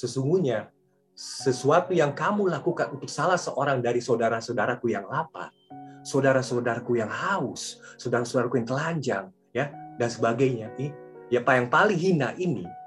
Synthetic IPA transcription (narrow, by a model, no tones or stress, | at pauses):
səsuŋɡuɲa | səsuat̪ujaŋkamulakukanunt̪ʊk̚salahsəʔoɾaŋdaɾisaodaɾasodaɾakujaŋlapa̰ | sodaɾasodaɾakujaŋhaʊsːodaɾasodaɾakujaŋt̪əlaɲd͡ʒaŋ | jadansəbaɡajɲaijapajaŋpalɪŋɦina̰ʔinḭ